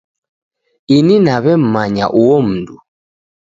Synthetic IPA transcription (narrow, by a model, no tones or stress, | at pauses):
ininaβɛm̩maɲa̰ʔuwɔm̩du